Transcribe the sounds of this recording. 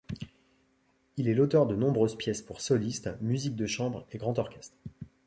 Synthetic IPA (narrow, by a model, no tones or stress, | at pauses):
ilɛlot̪œʁd̪ənɔ̃bʁøzpjɛspuʁsɔlist̪myzik̚d̪əʃɑ̃bʁeɡʁɑ̃t̪ɔʁkʲɛst̪χ